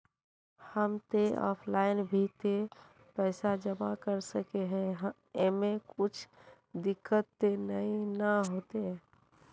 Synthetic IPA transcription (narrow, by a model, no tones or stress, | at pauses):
həmt̪eɔ̰ːpʰlaːɪnbʱit̪e | pɛːsad͡ʒəbakəɾsəkeɦɛ̃ɦ | emẽkʊt͡ʃʰ | d̪ɪkːət̪ːenəĩnəɦoːt̪eɦɛː